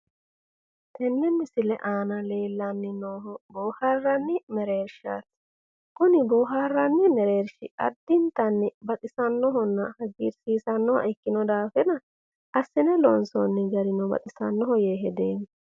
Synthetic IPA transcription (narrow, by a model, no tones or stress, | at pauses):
t̪ʰɛnːɛmːɪsɪlɛ̰ʔaːnɐleːlːɐnːɪnoːɦɔboːhɐrːɐnːɪmɛɾeːɾʃa̰ːs | kʊnɪboːɦɐrːɐnːɪmɛɾeːɾʃɪɐ̰d̪ːɪnt̪ɐnːɪbɐt̪ʼɪsɐnːɔɦɔnːɐhɐɡiːɾsiːsɐnːɔhɪkːɪnɔd̪aːfɛnɐ | ʔɐsːɪnɛlɔnsɔnːɪɡɐɾɪnɔbɐ̰t̪ʼɪsɐ̰nːɔɦɔjeːɦɛd̪eːm